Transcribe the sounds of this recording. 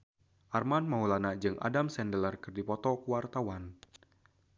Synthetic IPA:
ʔarmanmaulanad͡ʒɨŋʔa̰damsɛndələrkɨrdipɔt̪ɔkuwart̪awan

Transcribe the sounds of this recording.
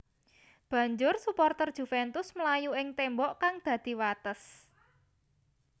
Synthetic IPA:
b̥ä̤ɲd͡ʒʊrsupɔrt̪ərd̥ʒ̥ṳfɛnt̪ʊsməlajuɪŋt̪ɛmbɔʔkaŋd̪̥ä̤d̪̥i̤wat̪əs

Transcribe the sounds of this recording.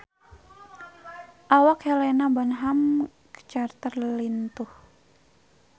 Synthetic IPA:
ʔawakhɛlenabanɦam | kə̥t͡ʃart̪ərlint̪uh

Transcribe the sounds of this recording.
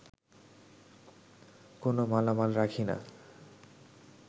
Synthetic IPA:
konomalamalɾakʰina̰

